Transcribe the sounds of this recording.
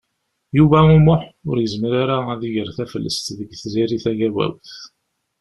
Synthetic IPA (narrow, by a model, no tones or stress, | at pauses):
juvæumʊħʊ̰ɾjəzməɾaɾaæðiʝəɾθæfəlːə̰st̪ðəɡθziɾiθæʝæwæ̰wθ